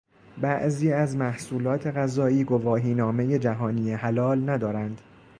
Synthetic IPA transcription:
bæʔziːæzmæhsuːlɒːt̪ʰe̞ɣæzɒːiːɡo̞vɒːɦiːnɒːme̞je̞d͡ʒæɦɒːniːjeɦælɒːlnæd̪ɒːɾænd̪̥

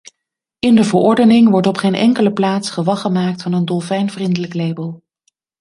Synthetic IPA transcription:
ɪndəvəɹɔɹdənɪŋʋɔɹtɔpχeːnʔɛ̰ŋkələplaːtsχəʋɑχəmaːk̚tfɑnəndɔlˠvɛjnvrindələklejbəlˠ

